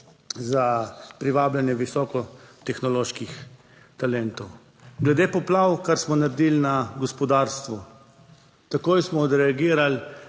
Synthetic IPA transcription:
zapɾiʋaːblanjɛʋisɔːkɔt̪ɛxnɔloːʃkix | t̪alɛnt̪ɔw | ɡlɛd̪eːpɔplaːwkaɾsmɔnaɾd̪iːlnaɡɔspɔd̪aːɾst̪ʋu | t̪akoːjsmɔd̪ɾɛaɡiːɾal

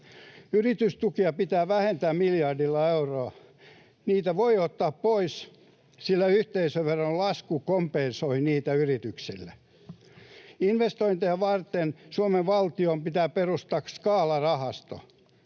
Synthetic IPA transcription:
yrit̪yst̪ukiɑpit̪æːʋæhent̪æːmmiljɑrdilːɑeuroɑ | niːt̪æʋoiot̪ːɑːppois | silːæyht̪eisøʋʋerːɑllɑskukompensoiniːt̪æyrit̪yksilːæ | inʋest̪oint̪eɑʋɑrt̪ensuomeʋʋɑlt̪iompit̪æːperust̪ɑkskɑːlɑrɑhɑst̪o̰

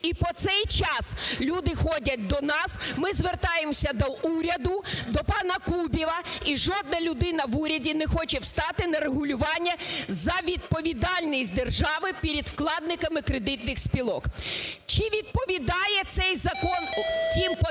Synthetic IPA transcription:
ipɔt̪sɛjt͡ʃɑslʲud̪ɪxɔdʲɐt̚ʲd̪ɔnɑsmɪzʋert̪ɑjemɔsʲɐd̪ɔʔuɾʲɐd̪ʊd̪ɔpɑnɐkubʲilˠɐiʒɔd̪nɐlʲʊd̪ɪnɐʋuɾʲɐdʲinɛxɔt͡ʃɛwst̪ɑt̪ɪnɐɾeɦʊlʲʊʋɑnʲːɐzɐʋʲid̪̚pɔʋʲid̪ɑlʲnʲɪsʲt̪ʲd̪erʒɑʋɪpʲiɾʲid̪wklˠɑd̪̚nɪkɐmɪkɾed̪ɪt̪̚nɪxsʲpʲilˠɔkt͡ʃiʋʲid̪̚pɔʋʲid̪ɑjɛt̪sɛjzɐkɔntʲimp

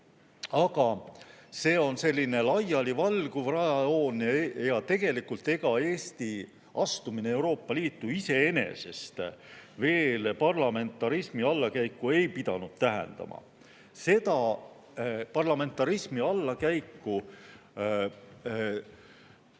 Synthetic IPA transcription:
ɑɡɑse̞ːo̞nse̞lʲːine̞lɑjɑlivɑlɡuvrɑjɑo̞ːnjɑt̪e̞ɡ̥e̞likːult̪e̞ɡ̥ɑe̞ːst̪i | ʔɑst̪uminee̞wɾo̞ːpːˑɑliːt̪ːˑuise̞e̞ne̞̰se̞st̪ve̞ːlpɑrlɑme̞nt̪ːˑɑɾismiɑlːɑkæjkːˑue̞jpid̪ɑnud̪̥̚t̪æɦḛnd̪̥ɑ̰mʔɑ̰ | se̞d̪ɑ | pɑrlɑme̞nt̪ːˑɑɾismiɑlːɑkæjkːu

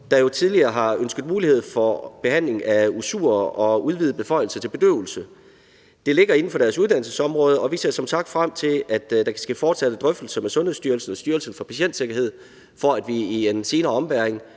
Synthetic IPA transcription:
d̥ɑ̈jo̝t͡sʰið̞ˠliɐːɦɑ̈ønsɡ̥ð̩ˠmuːlihe̝ð̞̰ˠfɒb̥e̝hæn̰le̝ŋæusṵɐʔɒ̽uð̞ˠʋiːð̞ˠəb̥e̝fɒ̽ɪ̰l̩sɐt͡sʰe̝lbe̝d̥ø̰ʊl̩sə | d̥e̝le̝ɡ̥ɐe̝n̩fɒ̽ɾ̥æɐsuð̞ˠd̥æn̰l̩səsɒ̽mʁɔ̽ːð̞ˠəɒ̽ʋise̝̰ɐ̰sɒ̽msɑ̈ɡ̥̚d̥fʁam̰t͡sʰe̝læd̥d̥ɑ̈kʰæsɡ̥æfɒːd̥sæd̥əd̥ʁœfd̥l̩sɐmesɔ̽nhe̝̰sd̥yɐlsn̩ɒsd̥yːɐlsn̩fɒ̽pʰæɕen̰d̥se̝ɡ̥ɐɦe̝ð̰ˠ | fɒ̽æd̥ʋiiense̝ːnɐːɒ̽mbæɐeŋ

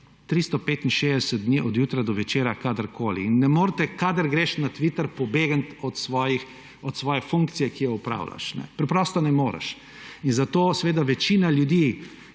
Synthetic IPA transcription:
t̪ɾist̪ɔpeːt̪inʃeːzd̪ɛsəd̪̚d̪niːʔɔd̪juːt̪ɾad̪ɔʋɛt͡ʃeːɾakad̪əɾkʰoːlḭinːɛmoːɾt̪ɛkad̪əɾɡɾeʃnat̪ʋit̪əɾpɔbeːɡənt̪ɔt̪sʋɔjix | ɔt̪sʋɔːjɛfuŋk̚t̪sijɛkijɛupɾa̰ːwla̰ʃnɛ̰pɾɛpɾɔst̪ɔnɛmoːɾɛ̰ʃ | inzat̪oːsʋeːd̪aʋɛt͡ʃiːnaljud̪iː

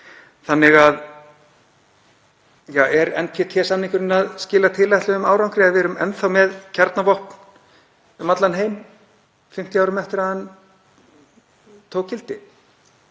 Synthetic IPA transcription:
θanːɪɣað | jaːwɛɾɛnpʰɛt̪ʰjɛːsamnĩŋkʏɾɪnaðscɪːlat̪ʰɪlajht̪lʏʏmaːwɾawŋkɾɛaðvɪɾʏmɛnθawmɛðcʰaɾt̪navɔhpn̥ | ʏmat̪lanɦeːjm | fɪm̥t̪jaːwɾʏmɛft̪ɪɾaðan | t̪ʰoːwkʰːɪlt̪ɪ

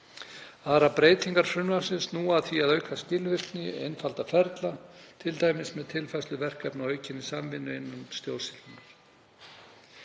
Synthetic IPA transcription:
aɾapɾeːjt̪iŋkaɾ̥fɾʏnvasɪnsnuaðθiaðœːɥkʰascɪlvɪrt̪nɪḛjnfalt̪afɛɾt̪lat̪ʰɪlt̪aːjmɪsmɛðt̪ʰɪlfajslʏvɛr̥kɛpnaœɥcɪnisamvɪnːʏɪnːanst̪joːwlsɪlt̪ɪnaɾ̥

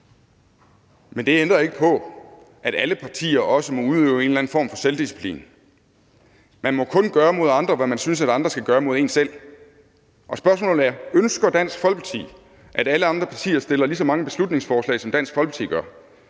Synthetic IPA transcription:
mend̥e̝end̥ʁɐe̝ɡ̥əpʰɒ̽ | ʔæɾ̥æləpʰɑ̈t͡sʰḭːɐʔɒ̽səmɒ̽uðˠøʊe̝ːnlæn̩fɒ̰ːmfɒ̽seld̥isi̥pʰlḭːn | mænmɒ̽kʰɔ̽nɡ̥ɶːɐmo̝ð̞̰ˠɑ̈nd̥ʁɐʋæmænsyns̬æɾɑ̈nd̥ʁɐsɡ̥æɡ̥ɶːɐmo̝ð̞ˠe̝ːnsel̰ | ʔɒ̽sb̥ɶɐsmɔ̰̽ːl̩ˠæɐønsɡ̥ɐd̥æn̰sɡ̥fɒ̽l̥̚pʰɑ̈t͡sʰḭː | ʔæɾæləɑ̈nd̥ʁɐpʰɑ̈t͡sʰḭːɐsd̥e̝lɐlis̬ɒ̽mɑ̈ŋəb̥e̝slud̥ne̝ŋsfɒːslɛ̰ɪsɒmd̥æn̰sɡ̥fɒ̽l̰pʰɑ̥t͡sʰḭːɡ̥ɶɐ

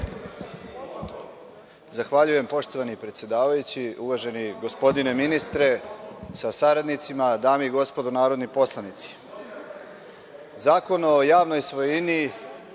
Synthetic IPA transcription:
zaxʋaʎuje̞mpo̞ʃt̪oʋanipɾe̞t̪sje̞d̪aːʋajut͡ɕiuʋaʒe̞niɡo̞spo̞d̪ine̞minist̪ɾe̞sasaɾad̪nit̪simad̪aːmiɡo̞spo̞d̪onaːɾo̞d̪nipo̞slˠanit̪si̥ | zaːko̞nojaːʋno̞jsʋojini

